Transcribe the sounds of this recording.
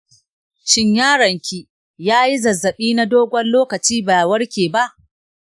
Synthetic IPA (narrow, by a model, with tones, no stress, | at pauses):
ʃɪ˦ɲjaː˦ɽɐ˨ŋkʲi˦ | jaː˦ji˦zɐ˨zːɐ˨ɓiː˦na˦doː˦ɡʷɐ˦nloː˦kɐ˨t͡ʃiː˦baː˨wɐ˦ɽkʲeː˨ba˦ʔ